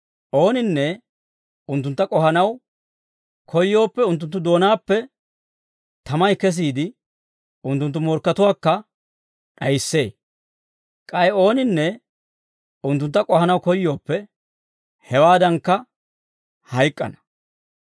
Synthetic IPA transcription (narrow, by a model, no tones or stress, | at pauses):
ʔo̞ːnɪnːɛ | ʊnt̪ːʊnt̪ːɐkʼɔɦɐnɐw | kʰɔjːo̞ːpːɛʊnt̪̬ːʊnt̪̬ːʊd̪o̞ːnaːpːɛ | t̪ɐmɐjkɛs̬iːd̪ɪ | ʊnt̪ːʊnt̪ːʊmɔɾkːɐt̪ʊwaːkːɐ | ɗɐjɪsːe̞ː | kʼɐjɛo̞ːnɪnːɛ | ʊnt̪ːʊnt̪ːɐkʼɔhɐnɐwkɔjːo̞ːpːɛ | hɛwaːd̪ɐŋkːɐ | hɐjkʼːɐ̰nɐ̥